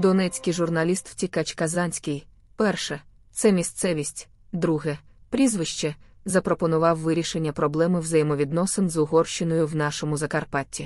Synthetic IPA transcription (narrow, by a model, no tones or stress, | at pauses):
d̪ɔnɛt͡sʲkɪjʒʊrnɐlʲist̪w̥tʲikɐt͡ʃkɐzɑnʲsʲkɪj | pɛrʃɛ | t̪sɛmʲist̪sɛʋʲisʲtʲ | d̪ɾuɦɛpɾʲizʋɪʃt͡ʃɛzɐpɾɔpɔnʊʋɑwʋɪɾʲiʃenʲːɐpɾɔblˠɛmɪwzɐjemɔʋʲid̪nɔsɪnzʊɦɔrʃt͡ʃɪnɔjʊwnɑʃɔmʊzɐkɐrpɑtʲːi